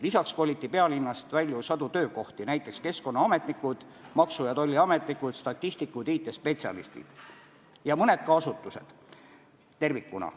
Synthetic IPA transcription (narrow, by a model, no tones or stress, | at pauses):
lisɑkskoːlʲit̪ːˑipe̞ɑlinːɑst̪vælʲjusɑd̪̥ut̪ø̞ːko̞ht̪inæjt̪ˑːe̞kske̞sko̞nːɑɑme̞t̪nikːˑud̪̥ | mɑksujɑd̪̥o̞lʲːiɑme̞t̪nikud̪̥st̪ɑt̪ːist̪ikːud̪iːt̪ːˑespe̞t̪siɑ̰lḭst̪ḭd̪̥ | jɑmɤne̞d̪̥̚kɑɑsut̪ːˑuse̞d̪̥ | t̪ːe̞rvikːˑunɑ̰